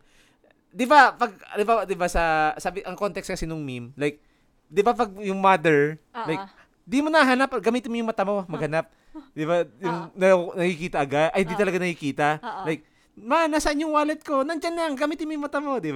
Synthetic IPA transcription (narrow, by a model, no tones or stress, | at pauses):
d̪ɪbapɐɡ̚d̪ɪbad̪ɪbasɐsaːbɪʔɐŋko̞nt̪ɛkst̪kɐsinʊŋmimlajk̚ | d̪ɪbapɐɡ̚jʊŋmad̪ɛɹlajk | d̪imonɐɦaːnɐpɡɐmiːt̪ɪnmojʊŋmɐt̪ɐmomɐɡ̚hɐnap̚ | d̪ɪbajʊŋnɐnɐkikiːt̪ɐʔɐɡad̪ʔɐhɪnd̪it̪ɐlɐɡanɐkikiːt̪alajk̚ | manasɐʔɪɲːoŋwaːlɛt̪̚konɐŋd͡ʒanlaŋɡɐmiːt̪ɪnmojʊŋmɐt̪ɐmod̪ɪba